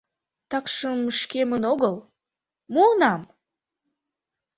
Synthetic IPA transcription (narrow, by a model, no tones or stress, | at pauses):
t̪ɑkʃəmʃkemənoɣəl | muənɑm